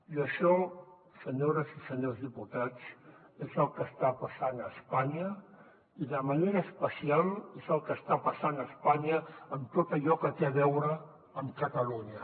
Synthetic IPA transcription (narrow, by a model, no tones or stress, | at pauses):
iəʃɔ | səɲoɾəzisəɲozðiput̪at͡s | ezəlˠkəst̪apəsanəspaɲə | iðəməneɾəːspəsialˠezəlˠkəst̪apəsanəspaɲəəmt̪ot̪əʎɔkət̪eəβɛwɾə | əmkət̪əluɲə